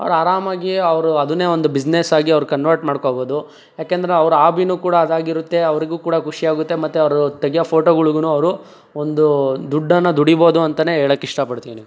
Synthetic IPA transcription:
ɐ̰ʋɐɾaːɾaːmaːɡiɐʋɐɾuɐd̪une̞ːond̪ubid͡ʒnesaːɡiɐʋɐɾukɐnʋɐɾʈmaːɽkobo̞ːd̪u | jaːkend̪ɐɾeɐʋɐɾuaːbinuːkuːɽɐːd̪aːɡiɾut̪ːe̞ɐʋɐɾiɡuːkuːɽɐkuʂiaːɡut̪ːe̞mɐt̪ːuɐʋɐɾut̪ɐɡijɐpʰoːʈoːɡɐɭuɡunuɐʋɾu | ond̪ud̪uɖːɐnːɐd̪uɽiboːd̪uɐnt̪ɐne̞ːeːɭɐkːiʂʈɐpɐɽt̪iːʋini

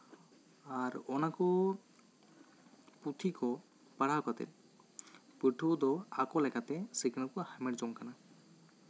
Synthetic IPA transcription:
aɾɔnakɔ | put̪ʰikɔ | paɽ̤akat̪ɛ̰ɾ | piʈʰud̪ɔakɔlɛkat̪ɛsikinalkɔhajmeʈd͡ʒɔŋkana

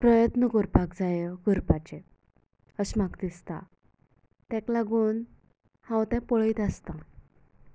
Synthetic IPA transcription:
pɾəjət̪nəɡəɾpakd͡zajəɡəɾpat͡ɕe | əɕmakd̪ist̪a̰ | t̪ɛ̃klaɡuːn | hãwt̪ɛ̃pɔɭit̪ast̪ã

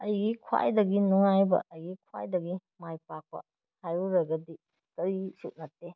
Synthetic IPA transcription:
ɐjɡikʰwa̰jdɐɡinuŋajbɐ̰ʔɐjɡikʰwa̰jdɐɡimajpak̚pɐ̰ | hajuɾɐɡɐdi | kɐɾisut̚nɐtːe

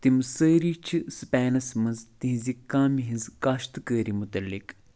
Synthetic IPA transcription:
t̪imsəːɾit͡ʃʰispɛːnɐsmɐnzt̪iɦizikːãːmiɦĩzkaːʃt̪kəːɾimut̪ɐlːik

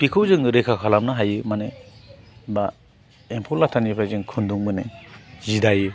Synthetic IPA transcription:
pikʰɯwzɯŋɾekʰakʰalamnaɦajɯmane | ba | empʰɔlatʰanipʰɾazɯŋkʰunduŋbɯnezidaju

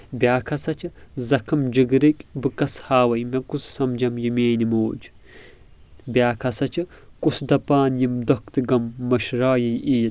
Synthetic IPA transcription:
bʲjaːkʰɐsɐt͡ʃʰɨzɐkʰɐmd͡ʒɨɡɾikʲbɨkɐshaːwɐjmɐkussɐmd͡ʒɐmjimeːnimoːd͡ʒ | bjaːkʰɐsɐt͡ʃʰɨ | kusd̪ɐpaːnjimd̪okt̪ɨɡɐmːɐʃɾaːjɐjiːl

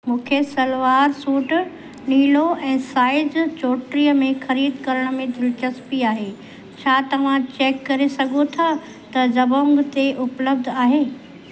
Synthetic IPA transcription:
mũːkʰesɐlʋaːɾsuːʈ | niːloɛ̃ːsaːɪd͡ʑt͡ɕoːʈɾijəmẽxɐɾiːd̪kɐɾəɽ̃ʊ̆mẽd̪ʱɪlt͡ɕɐspiaːɦeː | t͡ɕʰaːt̪ɐʋ̤ãt͡ɕeːkːɐɾesɐɡʱot̪ʰa | t̪ɐd͡ʑɐbõːŋɡt̪eʔʊpləb̚d̪ʱaːɦeː

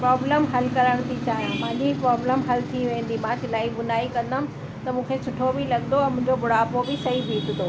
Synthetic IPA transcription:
pɾɔːbləmɦɐlkɐɾəɽ̃t̪ʰit͡ɕaːjãmãːʄipɾɔːbləmɦɐlt̪ʰiʋẽːn̆d̪imãːtɪlaːibʊnaːikɐ̃nd̪əmɪ̃̆ | t̪ɐmũːkʰesʊʈʰobɪlɐɠnd̪oɛ̃mʊ̃ɦɪ̃ɲd͡ʑobʊɽaːpobɪsɐɦibiːt̪ʰɪd̪oː

